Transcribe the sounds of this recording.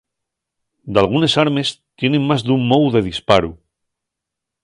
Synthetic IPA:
d̪alɣ̞une̞saɾme̞st̪je̞ne̞ŋmazd̪ummowðe̞ð̞ispaɾu

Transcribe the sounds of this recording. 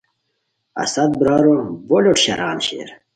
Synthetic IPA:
ɐ̰sɐt̪̚bɾɑːɾobolʲoʈɕɐ̰ɾɑːnɕḛːɾ

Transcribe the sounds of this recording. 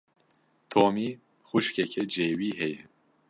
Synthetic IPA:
t̪ʰoːmiː | xuʃkɛkʰɛd͡ʒeːwiːɦɛjɛ

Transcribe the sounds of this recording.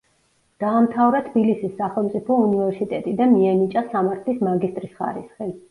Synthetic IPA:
d̪̥aːmt̪ʰavɾat̪ʰbilisisːaχɛlˠmt̪sʼipʰɔunivɛɾsit̪ʼɛt̪ʼid̪anmiɛnit͡ʃʼasamaɾt̪ʰlismaɡist̪ʼɾisχa̰ɾisχi

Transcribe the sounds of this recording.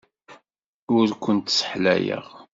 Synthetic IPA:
ʊɾkʷənt̪sə̥ħlæ̰jə̰ʁ

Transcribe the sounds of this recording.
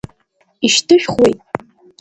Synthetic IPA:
iʃtʰɨʃᶣχwḛjtʼ

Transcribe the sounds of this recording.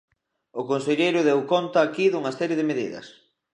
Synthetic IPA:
ʊkonseʎejɾʊðewkont̪ɐːkiðuŋɐsɛɾjeð̞ɪmeðḭðɐ̰s

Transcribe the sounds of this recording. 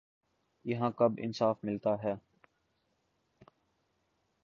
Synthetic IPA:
jɐɦãːkɐbɪ̰nsaːfmɪlt̪aɦɛː

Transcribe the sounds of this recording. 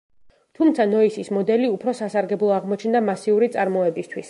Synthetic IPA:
t̪ʰumt̪sʰanɔisismɔd̪ɛliupʰɾɔsasaɾɡɛblˠɔaʁmɔt͡ʃʰnd̪amasiuɾit̪sʼaɾmɔɛbist̪ʰwis

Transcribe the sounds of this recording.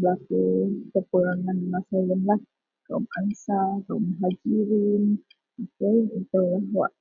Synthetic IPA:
bəlakut̪əpəɾaŋanmasalənlah | kaumansakauməɦad͡ʒiɾin | ikəunt̪alawa̰ʔ

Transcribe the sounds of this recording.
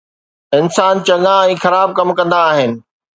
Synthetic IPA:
ɪnsaːnt͡ɕɐ̃ŋãɛ̃ːxɐɾaːb̚kɐmkɐ̃nd̪aːɦɪnɪ̆

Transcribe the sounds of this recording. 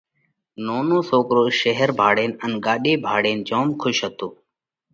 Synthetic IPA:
noːnõːsoːkɾoːʃəɦəɾbʱaːɽeːnənɡaːɗeːbʱaːɽeːnd͡ʒoːmkʰʊʃɦət̪oː

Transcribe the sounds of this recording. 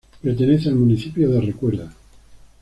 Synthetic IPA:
peɾt̪eneθealmuniθipjoðerekweɾða

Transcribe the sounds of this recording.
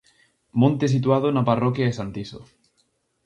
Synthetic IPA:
mõnt̪es̬it̪wað̞onaparɔkjaesant̪iso̰

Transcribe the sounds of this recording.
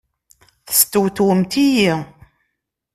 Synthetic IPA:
θə̥st̪ːwt̪wəmt̪iji

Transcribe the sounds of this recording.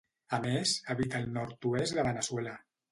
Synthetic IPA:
amezaβit̪aːlˠnɔɾt̪uezd̪əβənəswela

